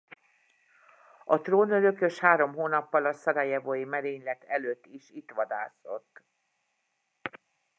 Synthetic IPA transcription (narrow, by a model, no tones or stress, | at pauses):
ɒt̪roːnøɾøkø̞ʃhaːɾo̞mɦoːnɒpːɒlɒsɒɾɒjɛvojimɛɾeːɲlɛt̪ʰɛløːt̪ːiʃit̪ʋɒd̪aːso̞t̪ː